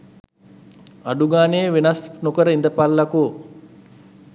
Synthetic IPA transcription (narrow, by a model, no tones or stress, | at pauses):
aɖuɡaːnejːʋenasnokəɾəind̪əpalːakoː